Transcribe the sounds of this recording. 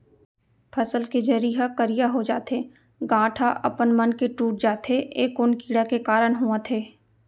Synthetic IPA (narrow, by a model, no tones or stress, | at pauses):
pʰɐsəlked͡ʒɐɾiːɦakəɾɪjaɦod͡ʒaːt̪eː | ɡãːʈʰaʔɐ̰pənmɐnkeʈuːʈ̚d͡ʒaːt̪eʔeːkʊnkiːɽakekaːɾəɽ̃ɦuãt̪ʰeː